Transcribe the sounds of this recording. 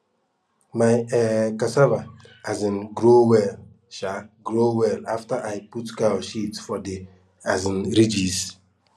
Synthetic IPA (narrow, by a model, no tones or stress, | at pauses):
maɪɛkasavaazɪn̩ɡɾowel | ʃaɡɾowɛlaftaʔaɪputkaɔʃitfɔdɪ | azɪn̩ɾid͡ʒis